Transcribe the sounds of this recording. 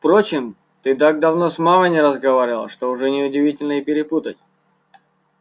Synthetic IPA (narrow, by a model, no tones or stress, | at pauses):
fpɾo̞t͡ɕɪm | t̪ɨt̪aɡ̚d̪ɐvno̞smaməjnʲɪɾəzɡɐvaɾʲɪlˠə̰ʂt̪o̞ʊʐɛnʲɪʊdʲɪvʲitʲɪlʲnəɪpʲɪɾʲɪput̪ətʲ